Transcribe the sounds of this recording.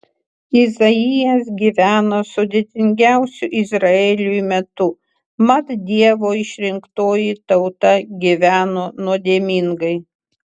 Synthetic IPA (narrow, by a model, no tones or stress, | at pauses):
ɪzɐijɛs̬ɡʲiʋʲæːnoːsʊd̪ʲeːt̪ʲɪŋʲɡʲæˑʊsʲʊʔɪzɾɐeːlʲujmʲɛt̪ʊ | mɐt̪d̪ʲiɛʋoːɪʃʲɾʲɪŋkt̪oːjit̪ɐʊt̪ɐɡʲiʋʲæːnoːnuɔd̪ʲeːmʲiŋɡɐɪ